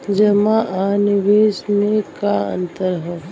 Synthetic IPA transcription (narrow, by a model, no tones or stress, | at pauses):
d͡ʒɐmãʔaːnɪʋeːsmẽkaə̰̃nt̪əɾɦɛ